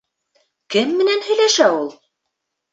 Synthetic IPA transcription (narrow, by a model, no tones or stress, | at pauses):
kɘmːɘ̆nænhɵ̆jlæʃæulˠ